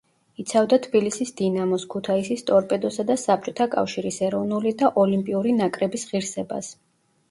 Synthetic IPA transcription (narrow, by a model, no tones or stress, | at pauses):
it̪sʰavd̪at̪ʰbilisisd̪inamɔskʰut̪ʰaisist̪ʼɔɾpʼɛd̪ɔsad̪asap̚t͡ʃʼɔt̪ʰakʼa̰fʃiɾisɛɾɔvnulid̪aʔɔlimpʼiuɾinakʼɾɛbisʁiɾsɛba̰s